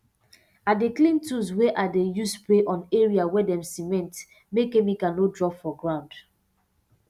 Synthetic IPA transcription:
adeklĩntuswɛʔadejuspleʔɔ̃neɹiawɛdɛ̃msimɛ̃nt | mekemikãnodɹɔpfɔɡɹãʊ̃nd̥

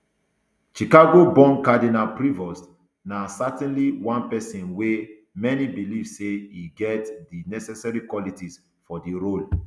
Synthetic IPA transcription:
ʃikaɡobɔ̃nkadinapɹivɔs | nasatɛ̃nliwãnpɛsĩnwe | mɛnibilivseiɡɛtdinɛsɛsaɹikwɔlitis | fɔdiɹol

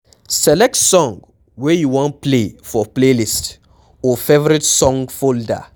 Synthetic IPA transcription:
sɛlɛk̚tsɔ̃ŋɡ | wɛjuwɔ̃nplefɔplelist | ɔfevɔɾitsɔ̃ŋɡfolda̰

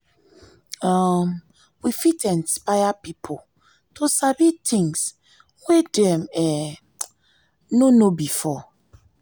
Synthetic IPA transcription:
am | wifitʰɛ̃nspajapipʰo | tʰosabitʰĩŋs | hedɛmɛ | nonobifɔ

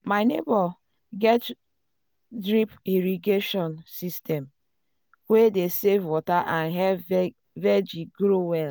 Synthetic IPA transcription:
maɪnebɔ | ɡɛt | dɾipiɾiɡeʃɔnsistʰɛm | wedesevwɔtaʔãnɦɛ | vɛd͡ʒiɡɾowɛl

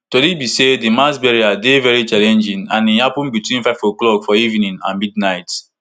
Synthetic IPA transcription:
tolibisedimasbɛɹiadevɛɹit͡ʃalɛ̃nd͡ʒĩŋãnĩhapũnbitwĩnfaɪvoklɔkfɔivnĩŋã̰nmidnaɪt

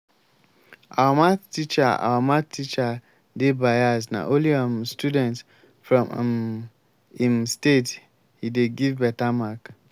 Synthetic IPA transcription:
a̰wamãtit͡ʃaa̰wamãtit͡ʃa | debajasna̰ʔoliamstudɛ̃nts | fɹɔ̃mm | imstet | hideɡivbɛtamak

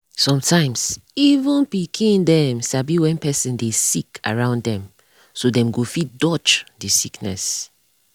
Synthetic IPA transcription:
sɔ̃mtʰãɪ̃msivũnpikʰĩndɛmʃabiwɛ̃npɛsĩndesikʰa̰ɹãʊ̃nddɛ̃m | sodɛ̃mɡofit̚dɔt͡ʃdisiknɛ̰s

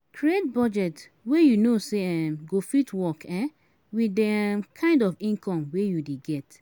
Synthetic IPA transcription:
kʰɹiet̚bɔd͡ʒɛt | wejunoseɛmɡofitwɔkɛ̃ | widɛmkʰãɪ̃ndɔfĩnkɔ̃mwejudeɡɛt

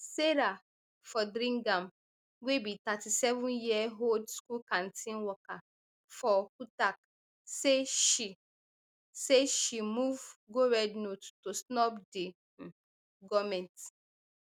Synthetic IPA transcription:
seɾa | fɔdɾĩŋɡãm | webitatisɛvũnjiɛɦodskulkãntĩnwɔka | fɔkutak | seʃi | seʃimuvɡoɹɛdnottosnɔpde | ɡɔmɛ̃nt

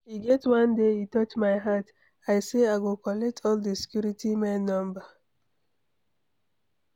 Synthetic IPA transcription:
iɡɛtwãndeitɔt͡ʃmajɦat | ajseaɡokɔlɛk̚tʰɔldəsi̥kjuɾitʰimɛnːɔ̃mba

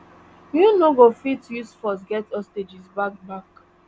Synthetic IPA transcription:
nunoɡofitjusfɔs̬ɡɛtɔsted͡ʒisbak̚bak

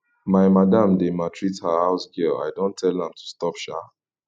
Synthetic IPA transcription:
maɪmadãmdematʰɹithahaʊsɡɛla̰ɪdõntʰːɛlãmtʰu̥stɔpʃa

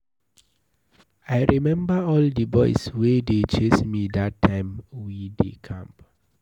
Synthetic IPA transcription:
aɪɹimɛ̃mbəɔldəbɔɪswedet͡ʃesmidatʰːãɪ̃mwidḛkʰã̰mp

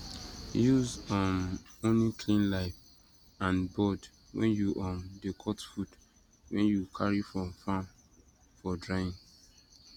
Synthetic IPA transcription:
juzɔ̃nõnlikʰlĩnlaɪf | ãnbɔd | wɛ̰̃njuʔɔ̃ndekʰɔtfud | wɛ̃njukʰaɹifɹɔ̃mfãn | fɔdɹajĩn

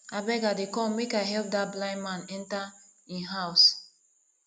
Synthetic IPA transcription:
abɛɡadekɔ̃mːekajɦɛlp̚dat̚blãɪ̃nmãnɛ̃nta | ĩnɦaws

